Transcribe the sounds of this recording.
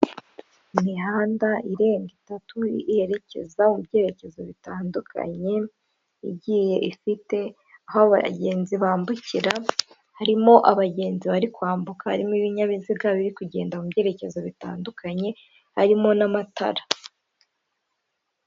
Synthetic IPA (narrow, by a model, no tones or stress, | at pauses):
imihaːndaiɾe̞ːŋɡitatuihe̞ɾe̞ce̞̰zaumubɟe̞ːɾe̞ce̞zo̞βitaːndukʰa̰ɲe̞ | ḭbɟiːje̞ʔifite̞ | ahoβaɟe̞ːnziβaːmbuciɾa | haɾimo̞ʔaβaɟe̞ːnziβaɾikwaːmbukahaɾimiβiɲaβiziɡaβiɾikuɟe̞ːndauubɟe̞ːɾe̞ce̞zo̞βita̰ːndukʰaɲe̞ | haɾimo̞namatʰa̰ɾa